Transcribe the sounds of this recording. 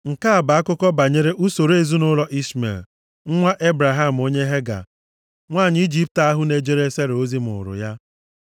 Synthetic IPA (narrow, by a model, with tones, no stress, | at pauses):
ŋ̩˨ka˦a˨ba˨a˦kʊ˦kɔ˦ba˨ɲe˦ɾe˦ʔu˦so˨ɾe˨zu˦nʊ˦lɔ˦ʔi˦smḛ˨l | ŋ̩˦ŋʷa˦ʔe˦bɾa˨ɦa˦m̩˨o˦ɲe˦ɦe˦ɡa̰˨ | ŋʷaː˦˨ɲ˦i˦d͡ʒi˦p̚ta˦ɦʊ˦ne˦d͡ʒe˦ɾe˦se˦ɾo˦zi˦mʊ̰˨ɾʊ̰˨ja˦